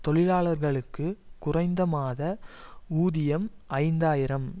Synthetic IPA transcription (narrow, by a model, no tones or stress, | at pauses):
t̪ɔɭɪlaːɭɐɾɣɐɭɯkːɯkʊrɐɪnd̪ɐmaːðɐuːðɪjɐmʔɐɪnd̪aːjɪɾɐm